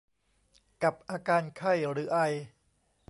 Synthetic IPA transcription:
ka˨˩p̚ʔaː˧kaː˧nkʰa˥˩jɾɯː˩˦˥ʔa˧j

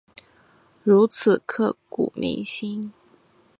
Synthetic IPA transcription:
ɻu˧˥t͡sʰɹ̩˨˩kʰɤ˥˩kṵ˨˩mḭ˧˥ŋɕi˥n

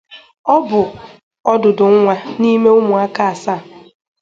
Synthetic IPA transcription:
ɔ˦bʊ˨ | ɔ˦dʊ˨dʊ˨ŋ̩˦ŋʷa˦ni˦me˦ʊ˦mʊ˨a˦ka˨sa˦˨

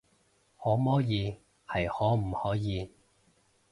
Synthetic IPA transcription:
hɔː˨˥mɔː˥jiː˨˧ | hɐ˨jhɔː˨˥m̩˨˩hɔː˨˥jiː˨˧

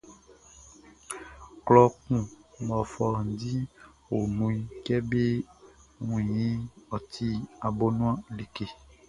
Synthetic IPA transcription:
klɔ˦kũ˦mɔ̃˨fɔ˨n̩˨di˦wo˨nũ˨˦i˦kɛ˦be˦ | ŋũ˨jĩ˦ɔ˨t̪i˦a˨bo˦nũ˦ã˦li˨ke˨

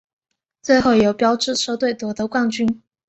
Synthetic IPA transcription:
t͡swe˥˧ɪxo˥˩ʊjo˨˥ʊpjɑ˥ʊʈ͡ʂɻ̩˥˧ʂɤ˥˧t̪we˥˩ɪt̪wɔ˧˥d̪ə˧˦kwa˥˧ŋt͡ɕy˥n

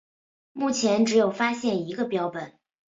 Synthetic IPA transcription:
mu˥˩t͡ɕʰjɛ˧˥nʈ͡ʂɻ̩˧˥jo˨˩ʊfa˥ɕjɛ˥˩ni˧˥ɡə˧pjɑ˥ʊpə˨˩˦n

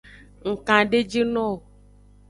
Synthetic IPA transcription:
ŋ̩˨kã˨ɖe˦d͡ʒe˦nɔ̃˦˨

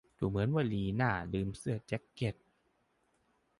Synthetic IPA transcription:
duː˨˩mɯ˩˦ənwaː˧˩liː˧naː˥˩lɯː˧msɯ˥˧˩ət͡ɕe˦˥kːe˧˩t̪̚

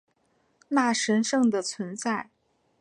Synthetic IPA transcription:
na˥˩ʂə˧˥nʂɤ˥˩ŋd̪ə˩t͡sʰwə˧˥nt͡sa˥˩ɪ

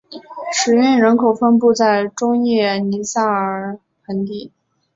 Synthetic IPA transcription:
ʂɻ̩˨˥ɥɛ˥˩nɻə˧˥nkʰo˨˩ʊfə˥np̬u˥˧t͡sa˥˩ɪʈ͡ʂʊ˥ŋjɛ˥˩ni˧˥sa˥˩ə˨˩ | xə˧˥nt̪i˥˩

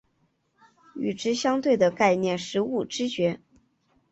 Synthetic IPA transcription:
y̰˨˩ʈ͡ʂɻ̩˥ɕjɑ˥ŋt̪we˥˩ɪd̪ə˩ka˥˧ɪnjɛ˥˩nʂɻ̩˧˥u˥˩ʈ͡ʂɻ̩˥t͡ɕɥɛ˧˥

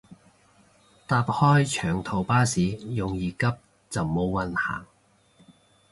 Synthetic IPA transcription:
t̪aː˧p̚hɔː˥jt͡ʃʰœː˨˩ŋt̪ʰo˨˩wpaː˥siː˨˥jʊ˨ŋjiː˨˩kɐ˥p̚ | t͡sɐ˨wmo˨˧wwɐ˨nha̰ː˨˩

